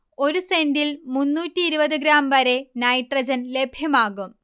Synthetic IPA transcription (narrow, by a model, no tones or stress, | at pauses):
o̞ɾuse̞ndilmunːuːtːiiɾubɐðɨɡɾaːmʋɐɾe̞nɐjʈrɐd͡ʑɐnle̞bʱjɐmaːɣum